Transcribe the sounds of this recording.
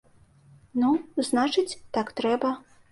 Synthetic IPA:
nuznat͡ʂɨt͡sʲt̪akt̪ɾɛbɐ

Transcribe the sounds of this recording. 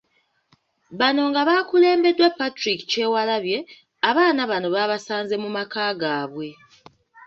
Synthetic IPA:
βano̞ŋɡaβaːkule̞ːmbe̞dːwapːatɾiki̥ce̞walaβje̞ | aβaːnaβano̞βaβasaːnze̞mumakaːɡaːβwe̞

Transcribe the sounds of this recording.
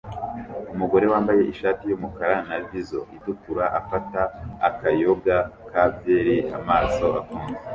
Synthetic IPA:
umuɡo̞ɾe̞waːmbaje̞ʔiʃaːtijumukaɾanavizo̞̰ʔidukuɾaʔafataːkajo̞ɡakaːvje̞ːɾiʔa̰maːso̞ʔakuːnze

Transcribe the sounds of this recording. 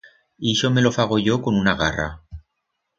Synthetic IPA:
iʃome̞lo̞faɣ̞o̞ʝo̞ko̞nunaɣara̰

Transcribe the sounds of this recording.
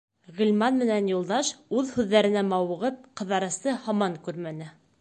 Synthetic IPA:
ʁɘ̆lʲmɑnmɘ̆nænjulˠd̪ɑʃʉðhʉðːæɾɘ̆næmɑwɤ̆ʁɤp̚qɤ̆ðɑɾɤ̆st̪ɤhɑmɑŋkʉɾmænɘ

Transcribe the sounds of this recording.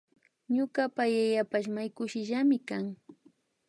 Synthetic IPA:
ɲʊkapajajapaʃmajkʊʃɪʒamɪkaŋ

